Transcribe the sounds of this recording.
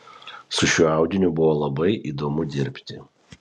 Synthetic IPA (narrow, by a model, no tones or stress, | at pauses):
sʊʃʲuːɑˑʊd̪ʲɪnʲʊbʊʋoːlˠɐbɐɪʔiːd̪oːmʊd̪ʲɪɾʲpʲt̪ʲɪ̰